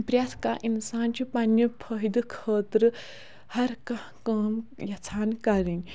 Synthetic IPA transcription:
pɾjaskaʔinsaːnt͡ʃʰipanjəpʰəɦid̪ɨkʰəːt̪ɾ | hɐɾkɐ | kɐːmjat͡sʰaːnkaɾin

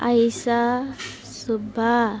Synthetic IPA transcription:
a̰jsa | subʱa

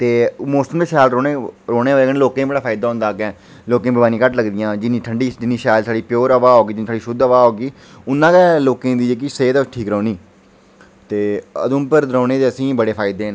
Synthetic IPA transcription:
t̪eːmoːsəmd̪eːsaːlɾoːeɾoːneːʋaːleːkənːloːkẽːbəɽaːpʰaːɪd̪aːɦʊ̃nd̪aːɡɛː | loːkẽːbəbaːnĩːkəʈləɡd̪ɪjãːd͡ʒɪnĩːʈʰəɳɖiːd͡ʒɪniːʃaːlsaːɽiːpjoːɾəʋaːɦoːɡiːd͡ʒɪnːsʰaːɽiːʃʊd̪əʋaːɦoːɡiː | ʊnːãːkɛːloːkẽːd̪iːd͡ʒeːk̬ɪseːt̪ːt͡ʃʈʰiːkɾõːniː | t̪eːə̰d̪ʊ̃mpəɾɾɔ̃ːneːt̪eːəsĩːbəɽeːpʰaːɪd̪eːn

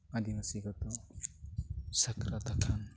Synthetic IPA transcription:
ad̪ibasiɡɔt̪ɔ | səkɾat̪akʰan

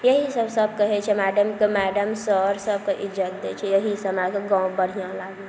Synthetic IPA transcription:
jəɦisəbsəbkəɦɛt͡ʃʰɛmæɖəmkemæɖəmsəɾsəb̚keʔid͡ʒət̪̚d̪et͡ʃʰɛjəɦisəmakeɡãũbəɽ̤ijãlaɡe

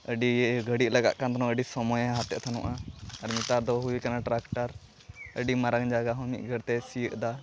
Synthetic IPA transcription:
əɖiɡʱəɽit̪ʔ̚laɡa̰ʔkant̪ɔnɔ̃əɖisɔmɔjaɦat̪ɛ̰ʔt̪ʰanɔ̰ʔaaɾmit̪aɾd̪ɔɦuwikanaʈɾakʈaɾ | əɖimaɾaŋd͡ʒaɡaɦɔmḭʔ̪̚ɡʱəɾt̪ɛsijəʔd̪a

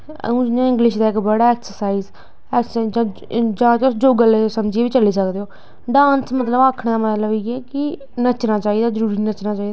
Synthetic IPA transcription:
ə̰ũːd͡ʒɪnãːɪ̃ŋɡlɪʃd̪aːɪkbəɽaːɛːksəɾsaːiːz | ɛːksəad͡ʒãː | d͡ʒãːt̪ːʊsd͡ʒoːɡalesəmd͡ʒieʋiːt͡ʃəliːsəkd̪eːɦoː | ɖãːnsmət̪ləbaːkʰɽ̃d̪aːmət̪ləbiːɛːkɪ | nət͡ʃnaːt͡ʃaːiːd̪aːzəɾuːɾiːnət͡ʃnaːt͡ʃaːid̪aː

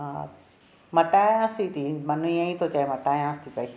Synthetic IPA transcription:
ã̰ | mɐʈaːjãːsit̪ʰiːmɐnuĩãĩːt̪ʰot͡ɕaːemɐʈaːjãːst̪ʰiːpɐiː

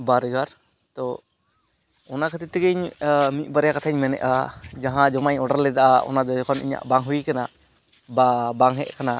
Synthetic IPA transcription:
baɾɡaɾ | t̪ɔ | ɔnakʰat̪ɛt̪iɡəɲmit̪̚ˀbaɾjakat̪ʰaɲmɛnɛ̰ʔad͡ʒaɦãd͡ʒɔmaɲɔɖaɾlɛd̪aʔaʔɔ̰nad̪ɔd͡ʒɔkʰɔnḭɲa̰ʔbaŋɦujkana | babaŋɦɛʔkana

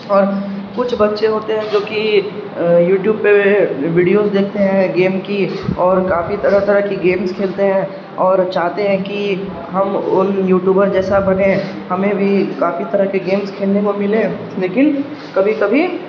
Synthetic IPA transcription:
ɔːɾ | kʊt͡ʃʰbɐt̪ːʃeɦoːt̪eɦɛ̃d͡ʒoːki | juːʈjuːb̚peʋiːɖijoːzd̪eːk̚ʰt̪eɦɛ̃ɡeːmkiɔːɾkaːfit̪ɐɾat̪ɐɾəkiɡeːmskʰeːlt̪eɦɛ̃ | ɔːɾt͡ʃaːɦt̪eɦɛ̃ki | ɦɐmʊ̰njuːʈjuːbəɾd͡ʒɛːsabɐnẽ | hɐmẽbʱikaːfit̪ɐɾakeɡeːmskʰeːlnekomɪlẽ | leːkɪn | kɐbʱikɐbʱi

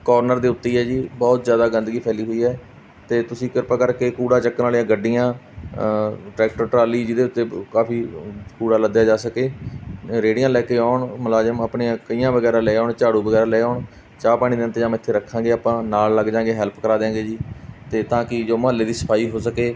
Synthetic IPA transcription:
kɔːɾnəɾd̪eːʊt̪ːeːɛːd͡ʒiːbɔːt̪zjaːd̪aːɡənd̪əɡiːpʰɛːliːɦoːiːɦɛː | t̪eːt̪ʊsĩːkɪɾpaːkəɾkeːkuːɽaːt͡ʃəkːnaːlijãːɡəɖːijãː | ʈɾɛːk̚ʈəɾʈɾaːliːd͡ʒɪd̪eːʊt̪ːeːkaːpʰiːkuːɽaːləd̪jaːd͡ʒaːsəkeː | ɾeːɽɪjãːlɛːkeːaːʊɳməlaːd͡ʒəməpɳiːãːkəijãːʋəɡɛːɾãːlɛːaːɳt͡ʃaːɽũːbəɡɛːɾaːlɛːaːɳ | t͡ʃaːpaːɽ̃iːd̪eɪnt̪eːd͡ʒãːm̃ːɪt̪ʰːeːɾəkʰːãːɡeːaːpãːnaːlːəɡd͡ʒãːɡeːɦɛlpkəɾaːd̪ẽãːɡeːd͡ʒiːt̪eːt̪ãːkɪd͡ʒoːməɦəlːeːd̪iːsə̥pʰaːiːɦoːsəkeː

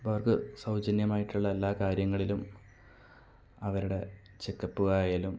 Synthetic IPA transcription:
bɐrɡɨsɐwd͡ʑɐnjɐmaːjiʈːuɭːɐɐlːaːkaːɾjɐŋːɐɭilum | ɐʋɐɾuɽe̞ | t͡ɕe̞kːɐpːuɣɐjɐlum

